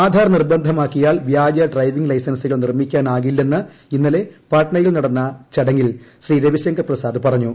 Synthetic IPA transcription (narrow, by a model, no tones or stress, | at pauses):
aːd̪ʱaːɾɐnirbɐnd̪ʱɐmaːkːijaːɭʋjaːd͡ʑɐɖrɐjʋiŋɡlɐjsɐnsiɣɐɭnirmikʲːaːnaːɣilːe̞nːɨ | inːɐle̞pɐːʈɐɳɐjilnɐɽɐnːɐt͡ɕɐɽɐŋːilɕriːɾeʋiɕɐŋɡɐprɐsaːd̪ɨpɐrɐɲːu